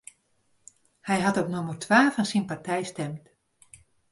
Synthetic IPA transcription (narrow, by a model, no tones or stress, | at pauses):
hɛjɦatɔpnomərtʰʋaːfɔnsinpartɛjstɛmt